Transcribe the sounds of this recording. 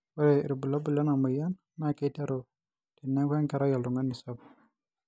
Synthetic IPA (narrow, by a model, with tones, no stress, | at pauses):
wa˦ɾe˨ɾu˨bu˨la˦bu˨la˦na˨mə˨ja˦n | ma˦˨ke˦ta˦ɾo˨ | ti˨nːa˦kɛ˦ŋka˨ɾa˦ja˨lu˨ŋɡa˦nːi˨sa˦p